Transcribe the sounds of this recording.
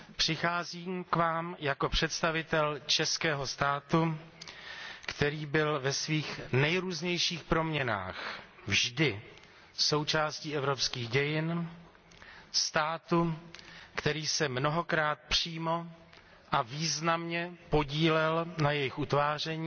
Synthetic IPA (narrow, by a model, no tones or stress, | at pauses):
pr̝̥ɪxaːziːmkvaːmjako̞pr̝̥ɛt̪st̪avɪt̪ɛlt͡ʃɛskɛːɦo̞st̪aːt̪u | kt̪ɛɾiːbɪlvɛsviːxnɛjɾuːzɲɛjʃiːxpɾo̞mɲɛna̰ːxvʒdɪ | so̞wt͡ʃaːsciːʔɛvɾopskiːɣɟɛjɪn | st̪aːt̪u | kt̪ɛɾiːsɛmno̞ɦo̞kɾaːt̪̚pr̥iːmo̞ | ʔaviːznamɲɛpo̞ɟiːlɛlnajɛjɪxut̪vaːr̝ɛɲiː